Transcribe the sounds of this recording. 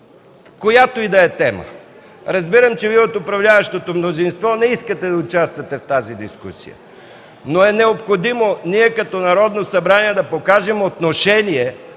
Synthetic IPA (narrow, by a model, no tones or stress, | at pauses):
kojat̪oid̪ɐɛt̪ɛmə̰ | ɾɐzbiɾəmt͡ʃɛviɛot̪opɾɐvlʲavɐʃt̪ot̪omnozinst̪vɔnɛiskət̪ɛd̪ɐʊt͡ʃast̪vɐt̪ɛft̪azid̪iskṵsḭjə̰ | noɛnɛopxod̪imoniɛkɐt̪ɔnɐɾɔd̪nosɐbɾaniɛd̪ɐpokaʒɛmot̪noʃɛniɛ